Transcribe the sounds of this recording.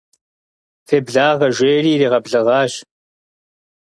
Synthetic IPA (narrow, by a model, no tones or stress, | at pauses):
feːbɮaːʁɐʒʷeːriːriːʁɐbɮɨʁɑːɕ